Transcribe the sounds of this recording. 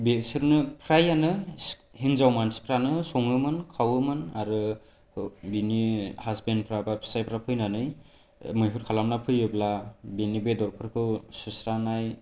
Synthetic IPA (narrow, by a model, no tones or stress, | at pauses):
besiɾnɯpʰɾajanɯhiŋzawmanspʰɾanɯsɔŋɯmɯnkʰawɯmɯnaɾɯ | binihazbenpʰɾabapʰi̥sajpʰɾapʰɯjnanɯj | mɯjpʰɯɾkʰalamnapʰɯjɯblabinibedɔɾpʰɯɾkʰɯwsusɾanaj